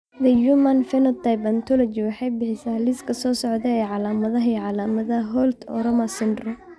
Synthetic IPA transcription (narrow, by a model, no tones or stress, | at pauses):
d̪ɐjumɐnfɛnɔt̪ʰajbɐnt̪ʰɔlɔt͡ʃɪwɑħɑjbɪħɪsaːlɪskʰɐsɔːsɔʕðɛɛjʕɑlaːmɐðɐɦijʕɑlaːmɐðɐɦɔld̪ɔ̰ɾɔmasɪndrɔ